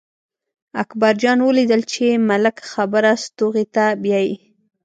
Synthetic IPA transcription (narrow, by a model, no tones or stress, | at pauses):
akbaɾd͡ʒɑnwəlid̪əlt͡ʃemalɪkxabəɾast̪oɣet̪abjɑji